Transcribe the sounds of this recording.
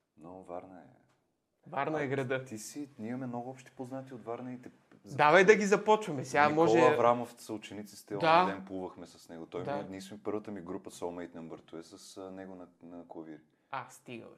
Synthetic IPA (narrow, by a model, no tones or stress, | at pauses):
novaɾnɐɛ̰ | vaɾnɐɛɡɾɐd̪ət̪isinʲimɐmɛmnoɡʊɔpʃt̪i̥poznat̪iod̪vaɾnɛit̪ɛ | zd̪avɐjd̪ɐɡizɐpɔt͡ʃvɐmɛsɛɡamɔʒɔlɛɐvɾamofsɐut͡ʃɛnit̪si̥st̪ɛɔd̪ad̪ɛnplˠuvəxmɛsɐsnɛɡot̪ɔjmnismipɤɾvət̪əmiɡɾupəsolmɛjt̪nɛmbəɾt̪uɛsɐsnɛɡʊnɐnɐkoviɾi | ast̪iɡə̰lˠ